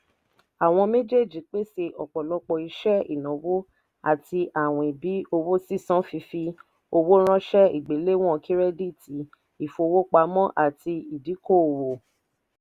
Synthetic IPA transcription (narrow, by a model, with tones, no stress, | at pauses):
a˨w̃ɔ̃˧me˦d͡ʒe˦˨d͡ʒi˨k͡pe˦se˧ʔɔ˨k͡pɔ˨lɔ˧˦k͡pɔ˧˨i˧ʃɛ˦ḭ˦˨nɔ̃˨wo˦ | a̰˦˨ti˧ʔa˦˨w̃ɔ̃˨i˨bi˨˦o˧wo˦si˦˨sã˦fi˧fi˧ | o˧wo˦ɾ̃ã˦ʃɛ˦i˨ɡ͡be˨˦le˦w̃ɔ̃˦˨˧ki˦ɾɛ˦di˦˨ti˨ | i˦˨fo˧wo˦k͡pa˧˦mɔ̃˦ʔa̰˦˨ti˧i˨di˨˦ko˦˨wo˨